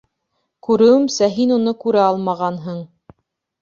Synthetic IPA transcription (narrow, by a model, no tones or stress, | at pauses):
kʉɾɘ̆wɘmsæɦinunɤkʉɾɘɑlˠmɑʁɑnɦɤɴ